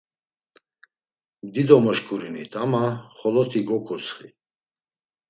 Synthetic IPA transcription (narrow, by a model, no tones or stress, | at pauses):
md̪id̪ɔmɔʃkʰʼuɾinit̪ʼamaχɔlɔt̪ʰiɡɔkʰusχi